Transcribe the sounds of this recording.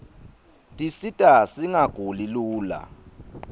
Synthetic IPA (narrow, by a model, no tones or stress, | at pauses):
tʼisitʼasiŋaɡ̥ʱuliluːla̰